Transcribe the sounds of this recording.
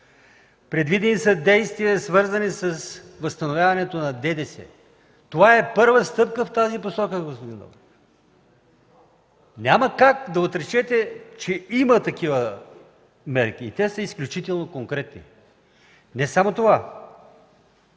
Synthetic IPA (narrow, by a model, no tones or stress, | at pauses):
pɾɛd̪vid̪ɛnisɐd̪ɛjst̪viəsvɤɾzɐnisɐsvɐst̪ɐnovʲjavɐnɛt̪onɐd̪ɛd̪ɛsɛ̰ | t̪ovaɛpɤɾvəst̪ɤpkəft̪aziposɔkəɡospod̪ind̪ɔ̰v | nʲaməkakd̪ɐot̪ɾɛt͡ʃɛt̪ɛt͡ʃɛimɐt̪ɐkivə | mɛɾk̟iːt̪ɛsəisklʲut͡ʃit̪ɛlˠnokoŋkɾɛt̪nḭ | nɛsamot̪ova